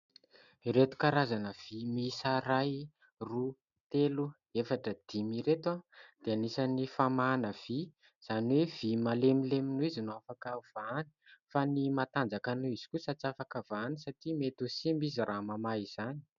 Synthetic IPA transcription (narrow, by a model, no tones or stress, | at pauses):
iɾet̪u̥kaɾazanəv̥imisaɾaj | ru | t̪elu | efaʈ͡ʂəd̪̥imiɾet̪wad̪̥eanisanifamanəv̥i | z̥aniwev̥imalemileminuizinoafakav̥ani̥fanimat̪and͡zakanuiz̥i̥kusat͡safakavanisaʈ͡ʂimet̪usimbiziramamaiz̥ani̥